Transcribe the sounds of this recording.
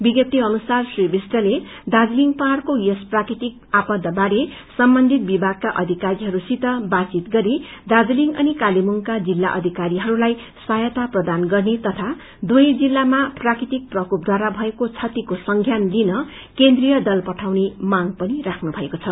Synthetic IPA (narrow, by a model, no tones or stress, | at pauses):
biɡʌt̪ːiʌnusarsribisʈʌle | d̪ad͡zliŋpʌɦarkojʌsprakɾit̪ik̚apʌd̪ʱːʌbaɾesʌmbʌnd̪ʱit̪̚bibʱaɡ̚kaʔʌd̪ʱikaɾiɦʌɾusit̪ʌbat͡sit̪ɡʌɾid̪ad͡zliŋɡʌnikalimuŋkad͡zilːa̰ʔʌ̰d̪ʱikaɾiɦʌɾulaj | sajʌt̪aprʌd̪anɡʌrnet̪ʌt̪ʰa | d̪ujd͡zilːamaprakɾit̪ik̚prʌkup̚d̪ʱwaɾabʱʌekot͡sʰʌt̪ikosʌŋɡʱjanlinʌ | kend̪rijʌd̪ʌlpʌʈʰawnemaŋɡpʌnirakʰnubʱʌekot͡sʰʌ